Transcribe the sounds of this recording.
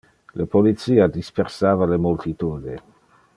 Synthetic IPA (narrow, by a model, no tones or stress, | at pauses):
lepolit̪siːad̪ispeɾsaːvalemolt̪it̪uːd̪e